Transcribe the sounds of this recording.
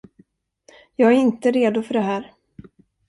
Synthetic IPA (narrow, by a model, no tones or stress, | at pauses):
jɑːɡæɾɪnt̪əɾeːd̪ʊfœɖɛɦæːɾ